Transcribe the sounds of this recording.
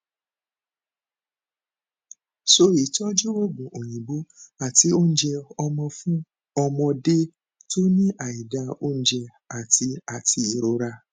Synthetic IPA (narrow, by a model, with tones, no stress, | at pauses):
so˧˦i˨tɔ˦d͡ʒu˦wo˦ɡ͡bõ˨ʔo˨j̃ĩ˨bo˨˦a˦˨ti˨˦o˦n̩˦d͡ʒɛ˧ɔ˧mɔ̃˧fũ˦ | ɔ˧mɔ̃˧de˦ | to˦nĩ˦ʔa˨i˨da˨˧o˦n̩˦d͡ʒɛ˧ | a˦˨ti˧a˨ti˧i˨ɾo˧˦ɾa˧